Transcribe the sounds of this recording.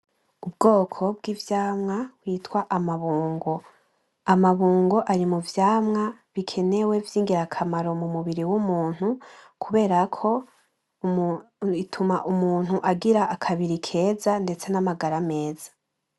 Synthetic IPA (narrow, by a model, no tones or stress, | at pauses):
ub̚ɡo̞ːkʰo̞b̚ɡivjaːmŋawiːtkwaʔamaβuːŋɡo̞ | amaβuːŋɡo̞ʔaɾimuvjaːmŋaβikʰe̞ne̞we̞vjiːŋɡiɾakʰamaɾo̞mumuβiɾiwumuːn̥ukʰuβe̞ːɾakʰo̞ | itʰumaʔumuːn̥huʔaɡiɾaʔakʰaβiɾikʰe̞ːzande̞t͡se̞namaɡaɾame̞ːz̥ḁ